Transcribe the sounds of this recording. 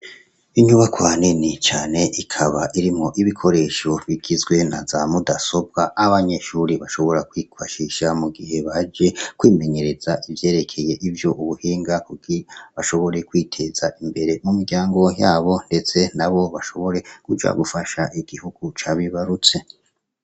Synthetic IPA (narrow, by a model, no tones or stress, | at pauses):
iɲuβakwaːninit͡ʃaːne̞ʔikʰaβaʔiɾimho̞ʔiβikʰo̞ɾe̞ːʃoβiɡ̥izɡwe̞na̰zamudaso̞b̚ɡaʔaβaɲe̞ʃuːɾiβaʃo̞βo̞ɾakwikaʃiʃamuɡiɦe̞βad͡ʒe̞kwiːme̞ɲe̞ɾe̞z̥aʔivje̞ːɾe̞kʰe̞je̞ʔivjo̞ʔuβuhiːŋɡakuɡ̥iβaʃo̞βo̞ɾe̞kwiːtʰe̞z̥aʔimbe̞ɾe̞mumiɡɟaːŋɡo̞jaːβo̞nde̞t͡se̞naβo̞βaʃo̞βo̞ɾe̞kud͡ʒa̰ɡufaʃaʔiɡ̥ihuɡ̥ut͡ʃaβiβaɾut͡se̞